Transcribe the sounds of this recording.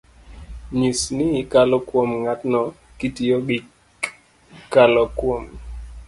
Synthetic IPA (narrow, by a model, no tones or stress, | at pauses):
ɲisnɪːkalɔkwomŋatnɔ | kitioɡɪ | kalɔkwom